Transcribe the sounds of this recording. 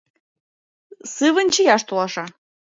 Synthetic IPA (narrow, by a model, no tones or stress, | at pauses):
sɨβənʲt͡ɕəjɑʃt̪olɑʃɑ